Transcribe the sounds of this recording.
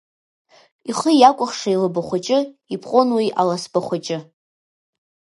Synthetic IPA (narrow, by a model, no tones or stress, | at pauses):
iχəjakʷʼʊχʂailɨbaχʷat͡ʃʼɪipʰʼqʼonwiʔalasbaχʷat͡ʃʼɪ